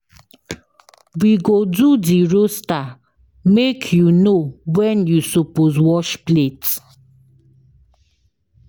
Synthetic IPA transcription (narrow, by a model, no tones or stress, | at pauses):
wiɡodudiɹosta | mekʰjunowɛ̃njusopozwɔʃplet